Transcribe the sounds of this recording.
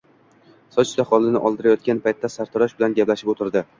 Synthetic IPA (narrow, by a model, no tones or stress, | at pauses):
sɒt͡ʃt̪aχɒlˠɪnɪʔɒlˠd̪ɪɾajɒt̪̚kʲanpʰajt̪ʰːasaɾt̪ʰɒɾaʃbɪlanɡʲaplaʃɪpot̪ʰɪɾd̪ɪ